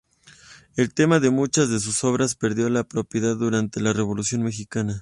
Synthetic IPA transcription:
e̞lt̪e̞maðe̞mut͡ʃazðe̞s̬uso̞β̞ɾaspe̞ɾðjo̞lapɾo̞pje̞ðaðːuɾant̪e̞lare̞βo̞lusjo̞nme̞xikana

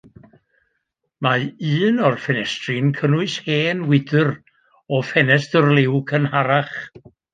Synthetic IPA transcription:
maɨːnɔrfɛnɛstrɨnkʰənʊɨsheːnwɪdɨr | ɔfɛnɛsdərlˠɪwkʰənhaɾaχ

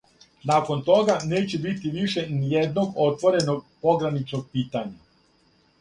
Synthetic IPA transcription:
naːko̞nt̪o̞ɡaneːt͡ɕebit̪iʋiʃenijed̪no̞ɡo̞t̪ʋo̞ɾe̞noɡ̚po̞ɡɾanit͡ʃnoɡ̚piːt̪aɲa

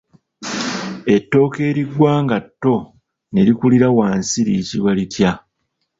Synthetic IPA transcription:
e̞tːo̞ːke̞ːɾiɡwaːŋɡatːo̞ | ne̞ɾikuliɾawaːnsiɾicilwalitja

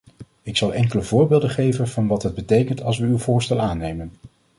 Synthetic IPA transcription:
ɪksɑlˠʔɛŋkələvʊːɹbɪːlˠdəχejvənvɑnʋɑtɦəd̚bətejkəntɑlˠs̬ʋəywvʊːɹstɛlˠaːnejmən

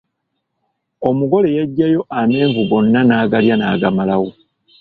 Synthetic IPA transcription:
o̞muɡo̞le̞jaɟːajo̞ʔame̞ːɱvuɡo̞nːanaːɡaljanaːɡamalawo

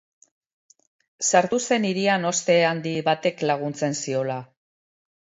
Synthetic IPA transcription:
saɾt̪use̞niɾiano̞st̪e̞and̪iβat̪e̞klaɣ̞unt͡se̞nsio̞la

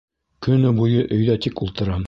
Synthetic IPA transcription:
kɵ̆nɘbujɤʔɵ̆jðæt̪ikulˠt̪ɤ̆ɾɑm

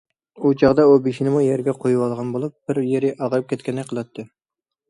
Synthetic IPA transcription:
ut͡ʃʰɑʁd̪ɑubeʃinɪmujɛɾɡʲɛqʰojuwɑlˠʁɑnbolˠup̚b̥ɪɾjeɾɪʔɑʁɾɨp̚kʲʰɛt̪̚kʲʰɛnɛk̚ʲqʰəlˠɑt̪ʰːɨ

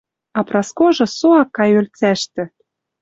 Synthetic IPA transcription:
ɑprɑskoʒɤ̆soɑkːɑjølt͡sæʃt̪ɘ̆

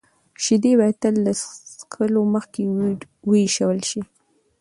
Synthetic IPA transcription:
ʃid̪ebat̪əlːaskʰəloməxke | wəiʃəwəlʃi

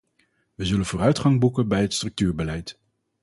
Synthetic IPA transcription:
ʋəzɵlənvʊːrœɥtχɑŋbukənbɛjɦətstrɵk̚tyːɹbəlɛjt

